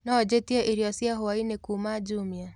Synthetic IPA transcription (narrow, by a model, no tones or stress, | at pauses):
nɔd͡ʒetieʔiɾiɔsiaɦʊainekumad͡ʒumja